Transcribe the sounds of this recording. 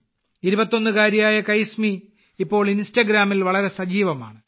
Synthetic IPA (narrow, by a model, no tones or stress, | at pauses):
iɾubɐt̪ːo̞nːɨkaːɾjɐjaːjɐkɐjsmi | ipːo̞ːɭinstɐɡɾaːmilʋɐɭɐɾe̞sɐd͡ʑiːʋɐma̰ːɳɨ